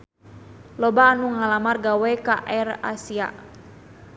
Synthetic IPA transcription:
lɔbaːnuŋalamarɡawɛka̰ʔɛra̰sia̰

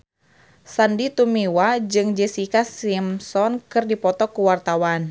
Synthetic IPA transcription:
sandit̪umiwad͡ʒɨŋd͡ʒɛsikasimsɔnkɨrdipɔt̪ɔkuwart̪awan

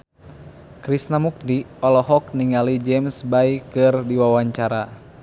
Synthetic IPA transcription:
kɾisnamuk̚diɔlɔɦɔk̚niŋalid͡ʒɛmsbaikɨrdiwawaɲt͡ʃaɾa

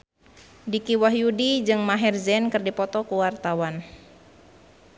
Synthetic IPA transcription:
dikiwaɦjudid͡ʒɨŋmaɦɛrzɛnkɨrdipɔt̪ɔkuwart̪awan

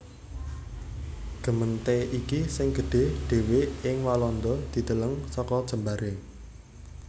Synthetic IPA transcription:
ɡ̥ə̤mənt̪eʔikisɪŋɡ̥ə̤ɖ̥e̤ɖ̥e̤weɪŋwalɔnd̪ɔd̪̥i̤d̪̥ələŋsɔkɔd̥ʒ̥ə̤mbaɾʔe

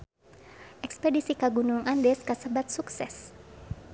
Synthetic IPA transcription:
ʔɛkspɛdisikaɡunuŋʔandɛskasəbat̪̚suksɛs

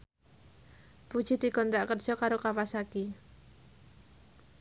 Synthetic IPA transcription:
pud̥ʒ̥id̪̥i̤kɔnt̪ɾaʔkərd̥ʒ̥ɔkaɾokawasaki

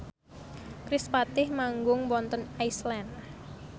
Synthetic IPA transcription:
kɾɪspat̪ɪhmaŋɡʊŋwɔnt̪ɔnajslɛn

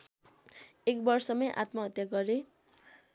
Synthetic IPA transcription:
ekbʌrsʌmʌjʔa̰t̪mʌɦʌt̪jaɡʌɾe

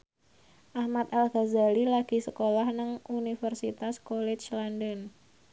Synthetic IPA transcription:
ʔahmat̪alɡazalilaɡ̥i̤səkolahnəŋunifərsit̪askolɛt͡ʃlandən

